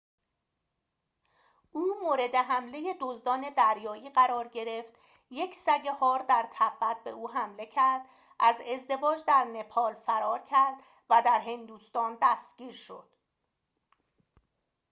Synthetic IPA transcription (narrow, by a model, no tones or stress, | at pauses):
ʔuːmoːɾe̞d̪e̞ɦæmle̞je̞d̪ozd̪ɒːne̞d̪æɾjɒːiːɢæɾɒːɾɟe̞ɾe̞ft̪ | je̞cʰsæɟehɒːɾd̪æɾt̪ʰæbːæt̪̚be̞̰ʔuːɦæmle̞cʰæɾd̪̥ | ʔæze̞zd̪e̞vɒːd͡ʒd̪æɾne̞pʰɒːlfæɾɒːɾcʰæɾd̪ | væd̪æɾɦe̞nd̪uːst̪ɒːnd̪æst̪ɟ̥ʲiːɾʃo̞̰d̪̥